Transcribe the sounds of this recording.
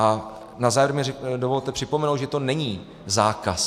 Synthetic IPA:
a | nazaːvɪɾmɲɪdovo̞lt̪ɛpr̥ɪpomɛnow̪ʒɛt̪o̞nɛɲiː | zaːkas

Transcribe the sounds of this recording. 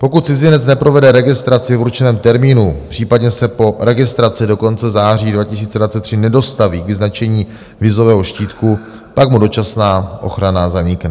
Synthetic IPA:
po̞kut̪̚t͡sɪzɪnɛtt͡snɛpɾo̞vɛdɛɾɛɡɪst̪ɾat͡sɪvɾut͡ʃɛnɛːmt̪ɛɾmiːnupr̥iːpadɲɛsɛpo̞ɾɛɡɪst̪ɾat͡sɪdo̞ko̞nt͡sɛzaːriːdvacɪsiːt͡sɛdvat͡sɛt̪ːr̥ɪnɛdo̞st̪aviːɡvɪznat͡ʃɛɲiː | vɪzo̞vɛːɦo̞ʃciːt̪ku | pakmudo̞t͡ʃasnaːʔo̞xɾanaːzaɲika

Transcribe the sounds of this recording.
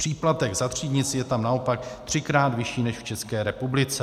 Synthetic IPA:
pr̥iːplat̪ɛɡzat̪r̝̥iːd̪ɲɪt͡sjɛt̪amnaopak̚t̪r̝̥ɪkɾaːd̪vɪʃiːnɛʃft͡ʃɛskɛːɾɛpublɪt͡sɛ

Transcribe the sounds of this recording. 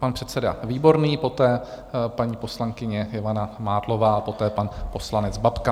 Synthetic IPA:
panpr̥ɛt̪t͡sɛda̰viːbo̞ɾniːpo̞t̪ɛː | paɲiːpo̞slaŋkɪɲɛjɪvanamaːdlo̞vaːpo̞t̪ɛːpanpo̞slanɛt͡sbapka

